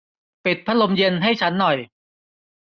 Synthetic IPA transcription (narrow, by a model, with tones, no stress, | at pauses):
pi˨˩t̪̚pʰːa˦˥lo˧mje˧nɦa˥˩jt͡ɕʰa˦˥nːɔ˨˩j